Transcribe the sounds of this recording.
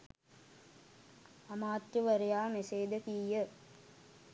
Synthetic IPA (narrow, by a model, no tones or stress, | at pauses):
ɐmaːt̪ɾuʋɐɾɐjaːmeseːd̪ɐkiːjə